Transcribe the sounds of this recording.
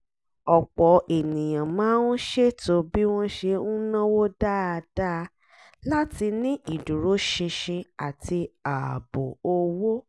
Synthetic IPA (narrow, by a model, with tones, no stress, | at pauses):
ɔ˨k͡pɔ˨e˨nĩ˨j̃ã˨mãː˨˦nũ˦ʃe˦to˧bi˦w̃ɔ̃˦ʃe˧ũ˦nã˦wo˦da˦a˧da˦˧ | la˦ti˧nĩ˦ʔi˨du˨ɾo˨˦ʃĩ˧ʃĩ˧a˨ti˧a˨bo˨o˧wo˦